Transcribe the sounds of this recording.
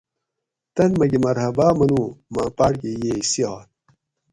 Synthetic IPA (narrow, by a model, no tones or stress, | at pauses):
t̪ɐnmɐɡimɐɾhɐbaːmɐnuːmãːpaɽkejeːisiaːn